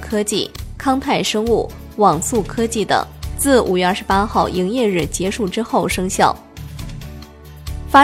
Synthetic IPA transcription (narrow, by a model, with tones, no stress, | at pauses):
kʰɤ˥t͡ɕḭ˥˩kʰɑ˥ŋt̪ʰa˥˩ɪʂɤ˥ŋu˥˩ | wɑ˨˩ŋsu˥˩kʰɤ˥t͡ɕi˥˩t̪ə̰˨˩ŋt͡sɹ̩˥˩ʔu˨˩ɥɛ˥˧ɐ˞˥˩ʂɻ̩˧pa˥xɑ˥˩ʊi˧˥ŋjɛ˥˧ɻɻ̩˥˩t͡ɕjɛ˧˥ʂu˥˩ʈ͡ʂɻ̩˥xo˥˩ʊʂɤ˥ŋɕjɑ˥˩ʊ | fa˥